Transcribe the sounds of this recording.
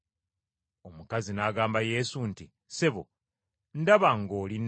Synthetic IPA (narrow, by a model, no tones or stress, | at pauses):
o̞mukazinaːɡaːmbaje̞ːsunti | seβo̰ | ndaβaŋɡoːlin